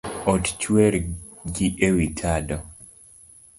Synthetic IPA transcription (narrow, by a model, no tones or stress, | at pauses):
ɔtt͡ʃwɛɾ | ɡiʔewitʰadɔ